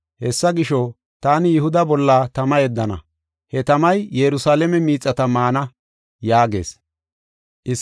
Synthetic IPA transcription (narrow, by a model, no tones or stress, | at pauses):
hɛsːɐɡɪʃɔ | t̪aːnɪjɪhʊd̪ɐbɔlːaːt̪ɐmɐjɛd̪ːɐnɐ̰ | hɛt̪ɐmɐjjɛɾʊsaːlɛmɛmiːt͡sʼːɐt̪ɐmaːnɐ | jaːɡe̞̰ːs | ʔɪ